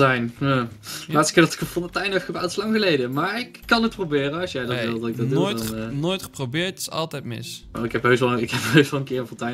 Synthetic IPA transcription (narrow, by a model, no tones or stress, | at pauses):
ɛjnjaːlaːtstəkɪːɹdɑtɪ̥kəfɔndətɛjnɛfxəbatɪslɑŋɣəlejdəmaːɹɪkːɑnət̚prowbɪːrəɑsjɛjdɑtʋɪlˠdɑtɪɡ̚dɑojnnojtχə̥probɪːɹtɪ̥sɑ̰lˠtɛjtmɪ̰so̰ɪkɦɛpɦøɥsʋɑlˠəɪkɦɛpɦøsʋɑlˠənkɪːɹəvɔntɛjn